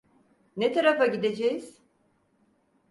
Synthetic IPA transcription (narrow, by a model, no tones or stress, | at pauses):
net̪ʰaɾafaɟid̪ed͡ʒejiz̥